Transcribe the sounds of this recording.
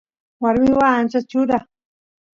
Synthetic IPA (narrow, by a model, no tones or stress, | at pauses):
waɾmiwaːnt͡ʃat͡ʃud̪a